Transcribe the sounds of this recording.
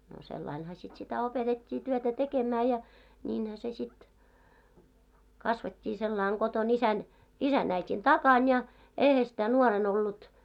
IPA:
no selːɑinhɑ sit sitæ opetetʲːiː tyøtæ tekemæː jɑ nʲiːnhæ se sit kɑsʋetʲːiː selːɑˑiŋ ɡ̊oton isæn isæn æitʲin tɑkɑn jɑ eihæ sĭtæ nuoren olːut

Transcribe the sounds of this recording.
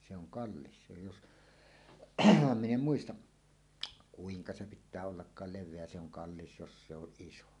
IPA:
se oŋ kɑlːis se jos min em muistɑʔ kuiŋkɑ se pitˑæː olːɑkːɑːl leʋˑeæ se oŋ kɑlːis jos se oʔ ʔiso

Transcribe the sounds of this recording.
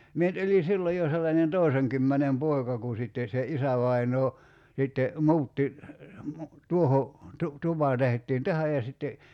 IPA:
mie nyt olʲi silːoj jo selːɑnen toˑi̞seŋkymːænem poi̞kɑ ku sitːen̞ se isæʋɑinoː sitːe mu̞utːi mu tuoho tu tupɑ tehĕtˑiːn tæhæj jɑ sitːe

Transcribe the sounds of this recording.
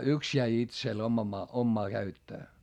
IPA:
yks jæi itsel omɑ omːɑː kæytːøː

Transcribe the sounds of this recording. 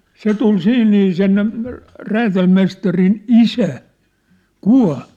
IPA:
se tul siːn niː sen ræːtælmestɑrin isæ kuɑ̝l

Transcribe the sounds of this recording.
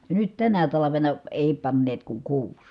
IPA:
jɑ nyt tænæ tɑlɑʋenɑ eˑi pɑnːeːt kuŋ kuːs

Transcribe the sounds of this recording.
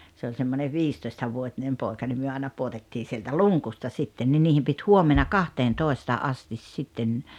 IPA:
se olʲ semːoneʋ ʋiːstoistɑʋuotinem poˑekɑ nim myø ɑˑenɑ puotetːiː sieltæ luŋkustɑ sitːen ni niːhim pit huomenɑ kɑhteːntoˑestɑ ʔɑstis sitːen

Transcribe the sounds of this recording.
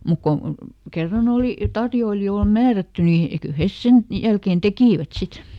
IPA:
muk ko kerːɑn oˑli tɑrjoilijoːl mæːrætːy ni kyl̆ hes sen jælkeːn tekiˑʋæt sit

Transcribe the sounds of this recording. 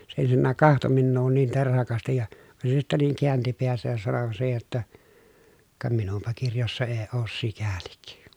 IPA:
se ensinːæˑk kɑhto minːuː niːn terhɑkɑstij jɑ ʋɑn se sitːæ niːŋ kiænti peæsæj jɑ sɑno siːhe jotːɑ kɑ minumpɑ kirjosːɑ eː oːs sikælik

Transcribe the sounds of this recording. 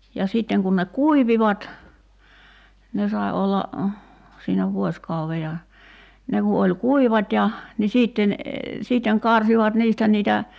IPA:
jɑ siˑtːeŋ kun ne kuiʋiʋɑt ne sɑi olːɑ siːnæ ʋuosʲkɑuʋe jɑ ne ku olʲ kuiʋɑtʲ jɑ ni siːtːen siːtːeŋ kɑrsiʋɑt niːstæ niːtæ

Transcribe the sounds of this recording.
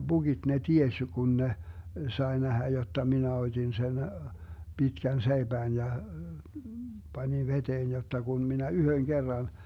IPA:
b̥uɡ̊id̥ ne tiesʲ jo kun ne sɑe næhæ jotːɑ minæ otʲin sen b̥itkæn seib̥æːn jɑ b̥ɑnʲin ʋeteːn jotːɑ kun minæ yhøŋ ɡ̊erːɑn

